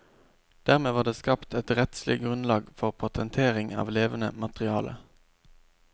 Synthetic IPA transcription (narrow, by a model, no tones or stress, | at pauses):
d̪̥æːʁmeːʋɑːʁd̪eːskɑːpt̪ɛt̪ʁɛt̪slɪ̰ɡʁʉnlɑːɡfɔʁpʰɑt̪ʰənt̪ʰeːʁɪŋɑ̰ːʋleːʋənə̰mɑt̪ʁɪɑːlʔə̰